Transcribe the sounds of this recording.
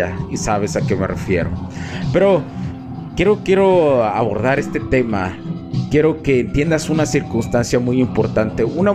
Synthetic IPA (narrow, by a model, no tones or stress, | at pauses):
aisaβe̞sake̞merḛfje̞̰ɾo̰pe̞ɾo | kjeɾo̞kje̞ɾo̞aβoɾðaɾe̞st̪e̞t̪e̞ma̰ | kje̞ɾo̞ke̞ːnt̪je̞nd̪asunasiɾkunst̪ansjamujimpo̞ɾt̪ant̪e̞una